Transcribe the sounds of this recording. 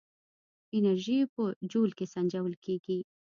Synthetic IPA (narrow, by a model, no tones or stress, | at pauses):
ɪnaɾʒipəd͡ʒolkesand͡ʒawəlkeɡi